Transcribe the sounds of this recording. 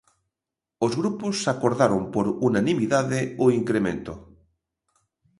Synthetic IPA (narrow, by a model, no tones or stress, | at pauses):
ozɣɾuposːakoɾðaɾompoɾunanĩmiðaðeoiŋkɾemẽnt̪o